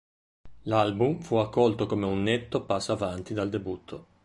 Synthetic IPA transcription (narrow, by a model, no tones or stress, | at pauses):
lalbumfuakːɔlt̪okomeunːet̪ːopasːavant̪id̪ald̪ebut̪ʰːo